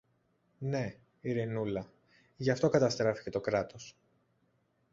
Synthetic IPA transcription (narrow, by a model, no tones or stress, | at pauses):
ne̞ | iɾinulɐ | ʝɐft̪o̞kɐt̪ɐst̪ɾɐfi̥ce̞t̪o̞kɾɐt̪o̞s